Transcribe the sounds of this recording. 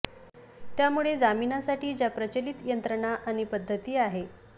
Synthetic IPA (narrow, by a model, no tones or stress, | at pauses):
t̪jamuɭed͡zaminasaʈiːd͡ʑjapɾət͡ɕəlit̪jənt̪ɾəɳ̃aʔaɽ̃ipəd̪ʱːət̪iːaɦe